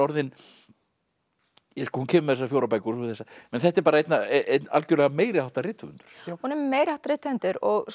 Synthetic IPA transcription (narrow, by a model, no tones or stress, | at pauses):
ɔɾðɪn | jɛskɔhuncʰɛːmʏmɛθɛsafjoːwɾapajkʏθɛsːamɛnθɛht̪ɛɾpaːɾaejt̪naeet̪a̰lcʏɾlɛɣameːjɾɪhawt̪arɪːt̪ʰʏʏ̰nt̪ʏ̥ɾ̥hunɛɾmeːjɾɪhawt̪aɾɪːt̪ʏnt̪ʏɾɔɣs